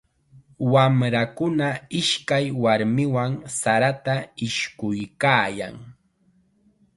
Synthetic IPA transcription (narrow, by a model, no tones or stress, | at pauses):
wamɾakʊnaɪʃkajwaɾmɪwaŋsaɾat̪aɪʃkʊjkaːja̰ŋ